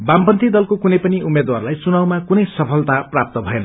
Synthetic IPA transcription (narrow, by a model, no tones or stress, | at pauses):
bampʌnt̪id̪ʌlkokunʌjpʌniumːed̪warlajsunawmakunʌjsʌpʰʌlt̪aprap̚t̪ʌbʱʌenʌ